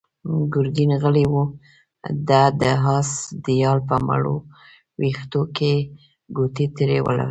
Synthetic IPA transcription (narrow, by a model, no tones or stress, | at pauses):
ɡʊɾɡinɣəliwu | d̪ad̪əɦɑsd̪əjɑlpəma̰ɽo̰ | wixt̪oke | ɡot̪it̪ɾewə̰la̰wi